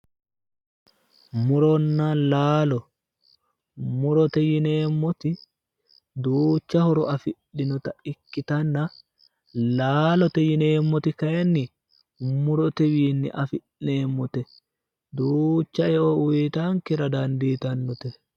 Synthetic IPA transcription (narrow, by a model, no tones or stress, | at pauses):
mʊɾɔnːɐlaːlɔ | mʊɾɔt̪ɛjɪne̞ːmːɔt̪ɪ | d̪uːt͡ʃːɐhɔɾɔɐfɪᶑːɪnɔt̪ɐɪkːɪt̪ɐnːɐ | laːlɔt̪ɛjɪne̞ːmːɔt̪ɪkɐɛnːɪ | mʊɾɔt̪ɛwiːnːɪ̰ʔɐfɪʔneːmːɔt̪ɛ | d̪uːt͡ʃːɐɛʔɔwwjt̪aŋkɛɾɐd̪ɐnd̪iːt̪ɐnːɔt̪ɛ